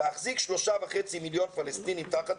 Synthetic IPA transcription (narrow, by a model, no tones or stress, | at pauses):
eaχzikʃloʃavaχet͡similjonfalɛst̪inimt̪aχat̪